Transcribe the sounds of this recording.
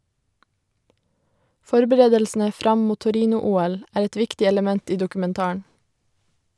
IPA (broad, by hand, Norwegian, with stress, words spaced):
ˈfɔɾbəɾeːdəlsn̩ə ˈfɾɑm ˈmuː tʊˈɾiːnʊˌuːɛl ˈæːɾ ˈɛt ˈʋɪktɪ ɛləˈmɛnt ˈiː dʊkʉmɛnˈtɑːɑɳ